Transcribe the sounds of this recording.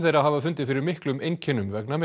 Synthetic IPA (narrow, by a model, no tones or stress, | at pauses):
θejɾaɦaːvafʏnt̪ɪfɪɾɪɾmɪhklʏmejncʰɛnʏmvɛknamɪ